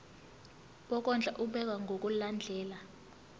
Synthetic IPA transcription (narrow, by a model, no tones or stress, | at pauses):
ɓɔk̬ʼɔnd͡ɮʱaʔuɓɛk̬ʼwaŋɡʱok̬ʼuland͡ɮʱɛːla